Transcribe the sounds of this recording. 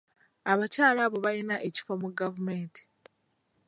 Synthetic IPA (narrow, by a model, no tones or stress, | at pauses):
aβacaːlaβo̞βajinaʔeci̥fomuɡavume̞ːnti̥